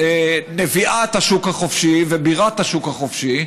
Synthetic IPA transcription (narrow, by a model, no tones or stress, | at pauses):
eneviʔat̪haʃukhaχofʃivebiʁat̪haʃukhaχofʃi